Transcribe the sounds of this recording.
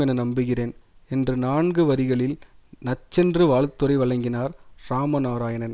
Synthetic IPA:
ɛnɐnɐmbɯɣɪreːnɛndrɯnaːɳɡɯʋɐɾɪɣɐɭɪlnɐt͡ʃːɛndrɯʋaːɭt̪ːɔɾɪʋɐɭɐŋɡɪnaːɾɾaːmɐnaːɾaːjɐnɐn

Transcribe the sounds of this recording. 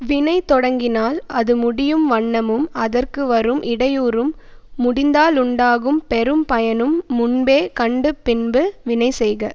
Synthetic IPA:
ʋɪnɐɪt̪ɔɽɐŋɡɪnaːlɐðɯmʊɽɪjɯmʋɐɳːɐmɯmɐðɐrkɯʋɐɾɯmʔɪɽɐjuːɾɯmː | ʊɽɪnd̪aːlʊɳɖaːɣɯmpɛɾɯmpɐjɐnɯmːʊɳbeːkɐɳɖɯpɪnbɯʋɪnɐɪsɛjɣɐ

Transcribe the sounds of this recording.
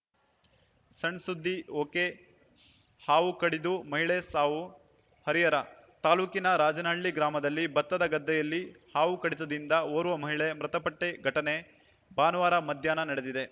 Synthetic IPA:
sɐɳsud̪ʱːioːke | haːʋukɐɽid̪umɐɦiɭesaːʋu | hɐɾijɐɾɐ | t̪aːluːkinɐɾaːd͡ʒɐnaːɭːiɡɾaːmɐd̪ɐlːibɐt̪ːɐd̪ɐɡɐd̪ːɛjɐlːihaːʋukɐɽit̪̬ɐd̪ind̪ɐoːɾuʋɐmɐɦiɭemɾɐt̪ɐpɐʈːeɡʱɐʈɐne̞ | baːnɐʋaːɾɐmɐd̪ʱjaːnɐnɐɽed̪id̪e

